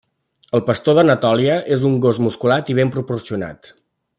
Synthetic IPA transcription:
əlˠpəst̪oðənət̪ɔlˠiəʔezuŋɡozmuskulat̪iβ̞empɾupursiuna̰t̪

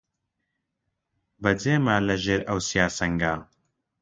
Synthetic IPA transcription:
bɐd͡zeːmalɐʒeːɾɐwsijaːsɐŋɡaː

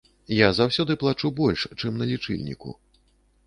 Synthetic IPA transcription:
jazawsʲɔd̪ɨplˠat͡ʂubɔlʲʂt͡ʂɨmnɐlʲit͡ʂɨ̰lʲnʲḭkṵ

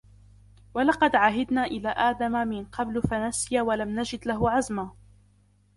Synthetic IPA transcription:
walɑqɑd̪ʕaːɦad̪naːʔɪlaːʔaːd̪amamɪnqʰɑblfanasɪjawalamnad͡ʒɪd̪laɦʊʕazma

